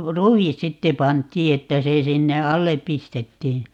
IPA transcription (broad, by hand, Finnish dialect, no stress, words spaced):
ruis sitːe pɑntˑiː etːæ se sinːe ɑlːep̆ pistetːiː